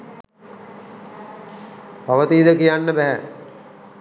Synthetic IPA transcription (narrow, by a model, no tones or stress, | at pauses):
paʋət̪iːd̪əkijanːəbæɦæ